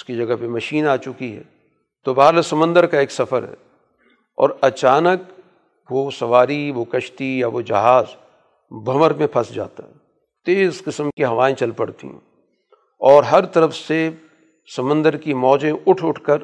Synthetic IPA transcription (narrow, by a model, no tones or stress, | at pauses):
ɪskid͡ʒɐɡəɦpemɐʃiːnaːt͡ʃʊkiɦɛ̰ː | t̪obaːɦɾləsɐmə̃nd̪əɾkaeːksɐfəɾɦɛ̰ː | ɔ̰ːɾɐt͡ʃaːnək | ʋosɐʋaːɾiʋokɐʃt̪ijaʋod͡ʒɐɦaːz | bʱɐməɾmẽpʰɐsd͡ʒa̰ːt̪aɦɛ | t̪eːɪskɪsəmkiɦɐʋaːẽt͡ʃɐlpɐɽt̪ḭɦɛ̰̃ | ɔːɾɦɐɾt̪ɐɾəfse | sɐmə̃nd̪əɾkimɔːd͡ʒẽʔʊʈʰʊʈʰkəɾ